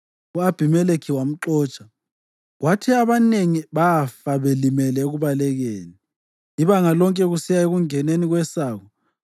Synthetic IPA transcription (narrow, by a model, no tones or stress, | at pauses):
uab̥ʱimɛlekʰiwam̩ǁɔːt͡ʃʼa | ɣwʔatʰiaβaneŋiβafaβelimɛlɛɣuβalɛɣeːni | iβaŋalɔŋkʼɛɣusijaeɣuŋɛneniɣwɛsaːɣɔ